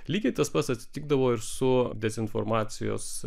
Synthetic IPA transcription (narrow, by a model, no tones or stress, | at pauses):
lʲiːɡʲɛɪt̪ɐspɐt̪sɐt̪ʲsʲɪ̥t̪ʲɪːɡ̚d̪ɐʋoːɪɾsʊd̪ʲɛzʲɪnfo̰ɾmɑːt̪sʲɪjo̰ːs